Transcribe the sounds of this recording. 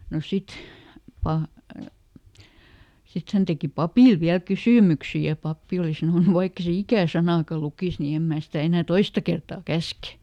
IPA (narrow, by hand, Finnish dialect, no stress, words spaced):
no sit pɑ sit hæn teki pɑpiˑl ʋiæl kysyˑmyksi jɑ pɑpːi oli sɑnoˑnu ʋɑikː e se ikæˑ sɑnɑˑkɑ lukiˑs ni em mæː sitæ enæˑ toistɑ kertɑː kæske